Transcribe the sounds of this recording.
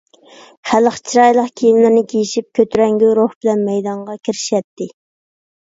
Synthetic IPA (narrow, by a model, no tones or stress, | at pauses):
χæləχt͡ʃʰiɾɑjlˠəqkʲʰejimlɪɾnɪkʲʰejiʃip̚kʲʰøt̪ʰyɾɛŋɡʲyɾoχbɪlɛnmɛjd̪ɑɴʁɑkʲʰiɾɪ̥ʃɛt̪ːɪ